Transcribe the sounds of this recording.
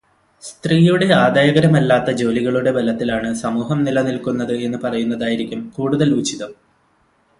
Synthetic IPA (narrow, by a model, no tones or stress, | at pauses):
st̪riːjuɽe̞aːd̪aːjɐɡɐɾɐmɐlːaːt̪ːɐd͡ʑo̞ːliɣɐɭuɽe̞bɐlɐt̪ːilaːɳɨsɐmuːɦɐmnilɐnilkunːɐðɨe̞nːɨpɐrɐjunːɐðaːjiɾikʲːumkuːɽuðɐluːt͡ɕiðɐm